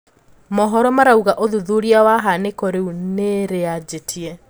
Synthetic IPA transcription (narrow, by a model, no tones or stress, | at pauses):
mɔɦɔɾɔmaɾauɣaʔoðuðuɾiawaɦanekɔɾeuneɾead͡ʑetʰiɛ